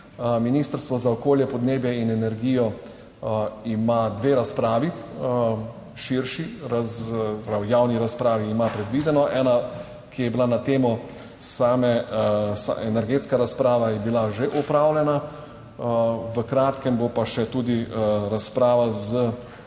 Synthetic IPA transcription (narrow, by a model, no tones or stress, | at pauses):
miniːst̪əɾst̪ʋɔzaɔkoːljɛpɔd̪neːbjɛinɛnɛɾɡijɔ | imad̪ʋeːɾaspɾaːʋi | ʃiɾʃiɾazɛpɾawjawniɾaspɾaːʋiːmapɾɛd̪ʋiːd̪ɛnɔʔɛːna | kijɛbilanat̪eːmɔ | saːmɛsa̰ɛnɛɾɡeːt̪skaɾaspɾaːʋajɛbilaʒeʔɔpɾaːwlɛna | ʋəkɾaːt̪kɛmbopaʃɛt̪uːd̪iɾaspɾaːʋazə